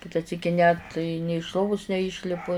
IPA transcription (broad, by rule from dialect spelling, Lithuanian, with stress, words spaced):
ˈkʲɪtɐ ˈsʲiːkʲɪ nʲɛt nʲɪ ɪʃ ˈlˠoːʋʊs nʲɛˈiːʃʲlʲɪpʊ